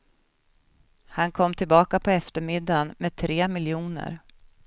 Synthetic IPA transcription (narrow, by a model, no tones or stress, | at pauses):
hankʰɔmːt̪ʰɪlbɑːkapʰɔɛft̪əɾmɪd̪ːanmeːd̪̚t̪ʰɾeːmɪljuːnə̰ɾ